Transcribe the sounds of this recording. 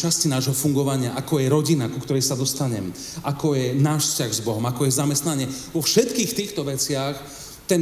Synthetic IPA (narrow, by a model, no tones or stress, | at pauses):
t͡ʃascinaːʒɦɔfuŋɡɔʋaɲɪaʔakɔjɛɾɔɟinakukt̪ɔɾɛjsad̪ɔst̪aɲɛm | ʔakɔjɛnaːʃfscaɣzbɔɦɔmakɔjɛzamɛst̪naɲɪɛʋɔfʃɛt̪kiːxt̪iːxt̪ɔʋɛt͡sɪax | t̪ɛn